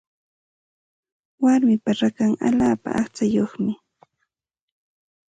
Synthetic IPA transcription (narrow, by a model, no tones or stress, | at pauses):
waɾmɪpaɾakaŋa̰ʎaːpa̰ʔaχt͡sajoχmɪ